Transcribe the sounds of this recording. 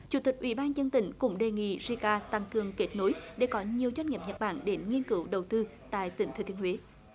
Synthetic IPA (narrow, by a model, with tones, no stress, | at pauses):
t͡ɕṵ˧˥˦t̪i˨˩k̚ʔwḭ˧˩ɓaː˧nzə˧nt̪ï˨˩˦ŋ̟kʊ̰˧˥ŋ͡mɗe˨˩ŋḭ˧˨zi˧kaː˧t̪a˧˩ŋkɨ˨˩əŋke˨˦t̚no˨˦jɗḛ˧˩kɔ˨˦ɲi˨˩əwzwa˧jŋ̟ŋi˨˩əp̚ɲə˨˩t̚ɓa̰ː˧˨nɗe˨˦nŋi˧ənkɨ˨˦wɗə˨˩wt̪ɨ˧t̪a̰ː˧˨jt̪ï˧˩ŋ̟t̪ʰːt̪i˧ənhwe˨˦